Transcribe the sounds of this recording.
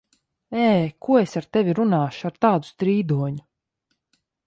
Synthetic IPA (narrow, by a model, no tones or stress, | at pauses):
ɛːkʰuɔesaɾt̪evʲiɾunaːʃu̥aɾt̪aːd̪u̥st̪ɾiːd̪uɔɲu